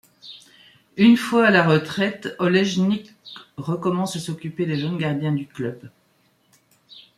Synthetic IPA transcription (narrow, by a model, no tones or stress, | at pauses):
ynfwaːlaʁət̪χɛt̪ɔlɛʒnik | ʁəkɔmɑ̃sasɔkʲyped̪eʒonɡaʁd̪jɛ̃d̪yklœb